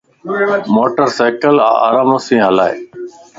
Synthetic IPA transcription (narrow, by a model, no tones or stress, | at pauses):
moːʈəɾsaːkəla̰ːa̰ːɾaːmoːsĩːɦəlaːḛː